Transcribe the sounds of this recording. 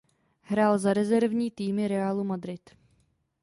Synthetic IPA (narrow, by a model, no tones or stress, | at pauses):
ɦɾaːlzaɾɛzɛɾvɲiːt̪iːmɪɾɛaːlumad̪ɾɪt̪